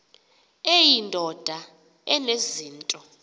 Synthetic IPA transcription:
ejindʱɔd̥ʱa | ɛneziːntʼɔ

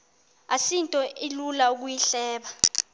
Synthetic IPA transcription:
asintʼɔʔilulauk̬ujiɬɛːɓa

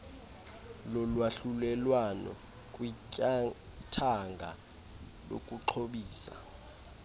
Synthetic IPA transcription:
lɔlwaɬulɛlwanɔ̰ | kʼwi | tʰaŋɡʱa̰ | lo̰kʼuǁʰoɓiːsa̰

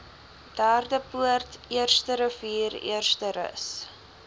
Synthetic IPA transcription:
d̥æːrdəpuərtiərstəɾəviːrḭərstəɾə̰s

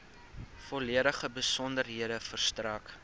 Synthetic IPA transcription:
fɔliəɾəχəbəsɔndərɦiəɾəfərstrɐk

